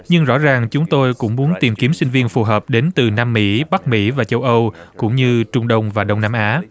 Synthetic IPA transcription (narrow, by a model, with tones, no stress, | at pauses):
ɲɨ˧ŋzɔ̰˧˥zaː˨˩ŋt͡ɕʊ˨˦ŋ͡mt̪o˧jkʊ̰˧˥ŋ͡mmu˨˦ənt̪i˨˩mki˨˦əmsï˧ŋ̟vi˧ənfu˨˩ɦəː˨˩p̚ɗe˨˦nt̪ɨ˨˩naː˧mːḭ˧˥ɓa˦˥k̚mḭ˧˥vaː˨˩t͡ɕə˧wʔə˧wkʊ̰˧˥ŋ͡mɲɨ˧t͡ɕʊ˧ŋ͡mɗə˧wŋ͡mvaː˨˩ɗə˧wŋ͡mnaː˧mʔaː˨˦